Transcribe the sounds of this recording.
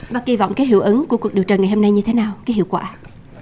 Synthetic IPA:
ɓaː˦˥k̚ki˧vɔ̰˧˨wŋ͡mkaː˨˦jɦi˧˨əwʔə˨˦ŋku˧˩əkk̚ɗi˨˩əwt͡ɕəː˨˩ŋa˨˩ho˧mna˧jɲɨ˧t̪ʰe˨˦naː˨˩wkaː˨˦jɦḭ˧˨əwkwa̰ː˧˩

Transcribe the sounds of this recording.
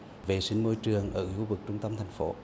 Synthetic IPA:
ve˨˩sï˧˦ŋ̟mo˧˥jt͡ɕɨ˨˩əŋʔəː˧˩hu˧vɨ˨˩k̚t͡ɕʊ˧ŋ͡mt̪ə˧mt̪ʰa˨˩jŋ̟fo˨˦

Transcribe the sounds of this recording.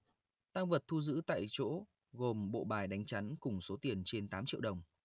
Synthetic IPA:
t̪aː˧ŋvə˨˩t̚t̪ʰu˧zɨ̰˧˥t̪a̰ː˧˨jt͡ɕo̰˧˥ | ɣo˨˩mɓo̰˧˨ɓaː˨˩jɗa˨˦jŋ̟t͡ɕa˨˦nkʊ˨˩ŋ͡mso˨˦t̪i˨˩ənt͡ɕe˧nt̪aː˨˦mt͡ɕḭ˧˨əwɗə˨˩wŋ͡m

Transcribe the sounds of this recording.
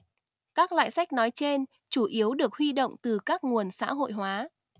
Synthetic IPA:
kaː˦˥k̚lwa̰ː˧˨jsa˦˥jk̟̚nɔ˨˦jt͡ɕe˧n | t͡ɕu˧˩ʔi˨˦əwɗɨ˨˩ək̚hwi˧ɗo̰˧˨wŋ͡mt̪ɨ˨˩kaː˦˥k̚ŋu˨˩ənsa̰ː˧˥ɦo̰˧˨jɦwaː˨˦

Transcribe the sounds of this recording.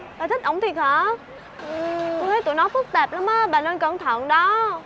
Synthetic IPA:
ɗaː˨˩t̪i˦˥t̚ʔə˧˩wŋ͡mt̪ʰi˨˩k̚həː˧˩ | ʔt̪ʰə˨˦jt̪ṵ˧˨jnɔ˨˦jfɨ˦˥k̚t̪ɛː˨˩p̚la˨˦mʔaː˨˧˦ɓaː˨˩nəː˧nkə˧˩nt̪ʰə˧˨ŋɗɔ˨˦

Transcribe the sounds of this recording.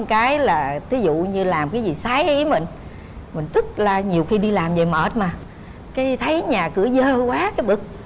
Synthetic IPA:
kaː˨˦jlaː˨˩t̪ʰi˨˦zṵ˧˨ɲɨ˧laː˨˩mkaː˨˦jzi˨˩saː˨˦jʔi˧˦mï˨˩ŋ̟ | mï˨˩ŋ̟t̪ɨ˦˥k̚laː˨˩ɲi˨˩əwxi˧ɗi˧laː˨˩mve˨˩məː˨˩t̚maː˨˩ | kaː˨˦jt̪ʰə˨˦jɲaː˨˩kɨ˧˩əzəː˧kwaː˨˦kaː˨˦jɓɨ˨˩k̚

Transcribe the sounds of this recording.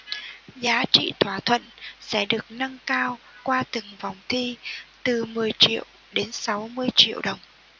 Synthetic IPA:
zaː˨˦t͡ɕḭ˧˨t̪ʰwaː˧˩t̪ʰwə̰˧˨nsɛ̰˧˥ɗɨ˨˩ək̚na˧ŋkaː˧w | kwaː˧t̪ɨ˨˩ŋva˨˩wŋ͡mt̪ʰi˧t̪ɨ˨˩mɨ˨˩əjt͡ɕḭ˧˨əw | ɗe˨˦nsa˨˦wmɨ˧əjt͡ɕḭ˧˨əwɗə˨˩wŋ͡m

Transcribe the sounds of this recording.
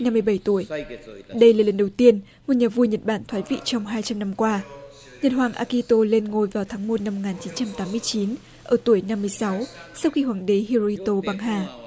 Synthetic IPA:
na˧mːɨ˧əjɓə˧˩jt̪u˧˩əjɗə˧jlaː˨˩lə˨˩nɗə˨˩wt̪i˧ən | mo˨˩t̚ɲaː˨˩vu˧jɲə˨˩t̚ɓaː˧˩nt̪ʰwaː˨˦jvḭ˧˨t͡ɕɔ˧wŋ͡mɦaː˧jt͡ɕa˧mna˧mkwaː˧ | ɲə˨˩t̚ɦwaː˨˩ŋʔa̰ː˧ki˧t̪o˧le˧nŋo˨˩jvaː˨˩wt̪ʰaː˨˦ŋmo˨˩t̚na˧mːo˨˩kŋaː˨˩nt͡ɕi˨˦nt͡ɕa˧mt̪aː˨˦mɨ˧əjt͡ɕi˨˦n | ʔəː˧˩t̪u˧˩əjna˧mːɨ˧əjsa˨˦wsa˧wxi˧hwaː˨˩ŋɗe˨˦hi˧ɾo˧i˧t̪o˧ɓa˧ŋɦaː˧˩

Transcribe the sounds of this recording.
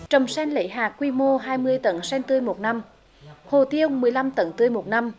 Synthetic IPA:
t͡ɕə˨˩wŋ͡msɛ˧nlḛ˧˥˦jɦaː˨˩k̚ːwi˧mo˧ɦaː˧jmɨ˧əjt̪ə˧˦nsɛ˧nt̪ɨ˧əjmo˨˩t̚na˧m | ho˨˩t̪i˧əwmɨ˨˩əjla˧mt̪ə˨˦nt̪ɨ˧əjmo˨˩t̚na˧m

